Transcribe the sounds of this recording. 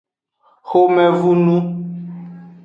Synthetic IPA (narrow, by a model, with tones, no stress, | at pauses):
xo˦mɛ˦vu˦nũ˦